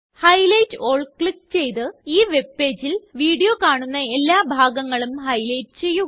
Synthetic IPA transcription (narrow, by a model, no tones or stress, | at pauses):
hɐjlɐjtːɨo̞ːɭkɭik̚t͡ɕe̞jt̪ɨiːʋe̞bːe̞ːd͡ʑilʋiːɽijokaːɳunːɐe̞lːaːbʱaːɡɐŋːɐɭumhɐjlɐjtɨ̥t͡ɕe̞jːu